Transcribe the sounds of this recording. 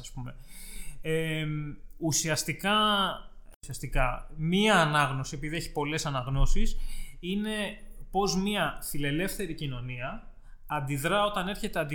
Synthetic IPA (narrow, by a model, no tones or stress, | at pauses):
ɐspume̞ | e | usiɐst̪ikɐ | siɐst̪ikɐmiɐːnɐɣno̞sie̞piðieçi̥po̞le̞sɐnɐɣno̞sisine̞po̞zmɐθile̞le̞fθe̞ɾicino̞niɐ | ɐnd̪iðɾɐo̞t̪ɐne̞ɾçe̞t̪eɐnd̪i